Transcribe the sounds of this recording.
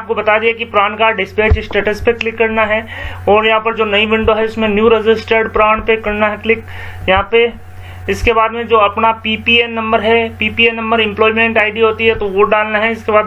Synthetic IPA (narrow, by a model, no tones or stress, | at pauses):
aːp̚kobɐt̪ad̪iekipɾaːɳ̃kaɖɪspeːt͡ʃɪsʈeːʈəspeklɪkːɐɾnaɦɛɔːɾjɐɦãpɐɾd͡ʒoːnɐibɪ̃ɳɖoɦɛʊsmẽnjuːɾed͡ʒɪsʈeɾɖpɾaːɳ̃pekɐɾnaɦɛklɪk | jɐɦãpe | ɪskebaːd̪mẽd͡ʒoːɐpnapiːpienɐ̃mbəɾɦɛpiːpienɐ̃mbəɾɪ̃mplɔːimẽɳʈaːɪɖiɦoːt̪iɦɛt̪oʋoɖaːlnaɦɛɪskebaːd̪